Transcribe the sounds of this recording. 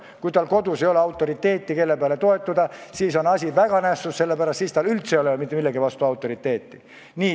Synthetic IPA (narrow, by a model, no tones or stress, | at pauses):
kujt̪ɑlko̞d̪use̞jo̞leɑwt̪ːˑo̞ɾit̪ːe̞ːt̪ˑːike̞lːepeɑlet̪o̞e̞t̪ːˑud̪ɑsiːso̞nɑsʲivæɡ̥ɑnæsːusse̞lːepæɾɑst̪siːst̪ɑlylt̪sejolemit̪ːˑemilːeɡivɑst̪uɑwt̪ːˑo̞ɾit̪ːe̞ːt̪ːˑi | niː